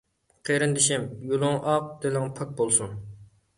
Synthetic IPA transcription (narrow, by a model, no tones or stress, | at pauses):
qʰeɾɪnd̪ɪʃimjulˠʊŋʔɑq̚d̪elɪŋpʰɑk̚bolˠsun